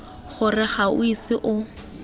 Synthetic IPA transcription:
χʊrɪχaʊ̰isɪʔʊ

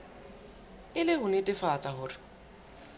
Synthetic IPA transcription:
ɪlɪhʊnɪtʼɪfat͡sʼahʊːrɪ

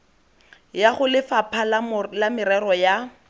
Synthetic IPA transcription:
jaχʊlɪfapʰallamɪɾɛrɔja

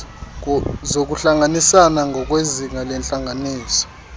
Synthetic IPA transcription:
zok̬uɬaŋanisanaŋʱɔk̬weziŋalɛnt͡ɬʼaŋaniːsɔ̥

